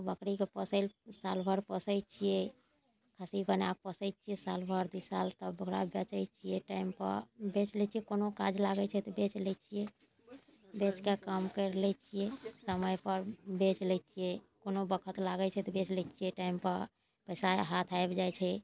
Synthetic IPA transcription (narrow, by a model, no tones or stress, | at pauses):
bəkɾikepəsəlsalbʱəɾpəsəjt͡ʃʰijɛ | kʰasipənak̚pəsəɪt͡ʃʰijesalbʱəɾd̪uisalt̪əbbəɡɾa̰bet͡ʃəjt͡ʃʰijɛʈaimpə̰ɾbet͡ʃlɛt͡ʃʰijekonokad͡ʒlaɡɛt͡ʃʰɛt̪ɔbet͡ʃlɛt͡ʃʰije | bet͡ʃkekəmkəɾlɛt͡ʃʰijesəməjpəɾbet͡ʃlɛt͡ʃʰijekonobəkʰət̪laɡɛt͡ʃʰɛt̪ɔbet͡ʃlɛt͡ʃʰijɛʈaimpəɾ | pəsaɦat̪ʰajbd͡ʒajt͡ʃʰɛ